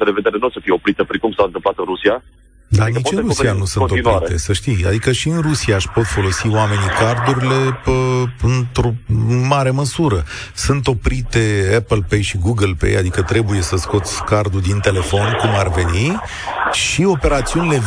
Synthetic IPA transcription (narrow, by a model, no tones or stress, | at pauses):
ədeved̪eɾenosəfijeopɾit̪əpɾikumsant̪ɨmplat̪ɨnɾusia | d̪anit͡ʃɨnɾusianusɨnt̪oinaɾet̪e̞səʃt̪ija̰d̪ikəʃiɨnrusiaːʃpo̞t̪fo̞lo̞siwame̞nikard̪uɾile̞əɨnt̪ɾo̞ɨnmaɾe̞məsuɾə | sɨnt̪o̞pɾit̪e̞epəlpejʃiɡuɡəlpḛja̰d̪ikət̪ɾe̞buje̞səsko̞t̪sʲkard̪ud̪int̪e̞le̞fo̞nkumarve̞ni | ʃio̞pe̞ɾat̪siunile̞